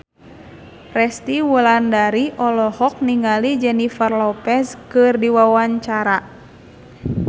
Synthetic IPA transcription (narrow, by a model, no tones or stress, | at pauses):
rɛst̪iwulandaɾiʔɔlɔhɔk̚niŋalid͡ʒɛnifarlɔpɛskɨrdiwawaɲt͡ʃaɾa